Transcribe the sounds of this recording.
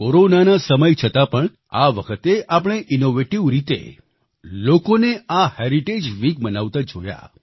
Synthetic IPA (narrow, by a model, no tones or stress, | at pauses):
koɾonanasəməjt͡ʃʰət̪apəɳ | a̰ʋəkʰət̪eʔapəɽ̃eʔinoʋeʈiʋɾit̪ḛ | lokoneahɛɾiʈed͡ʒʋikmənaʋt̪ad͡ʒoja̰